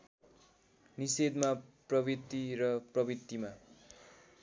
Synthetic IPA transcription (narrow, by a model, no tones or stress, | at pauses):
nised̪maprʌbit̪ːirʌprʌbit̪ːima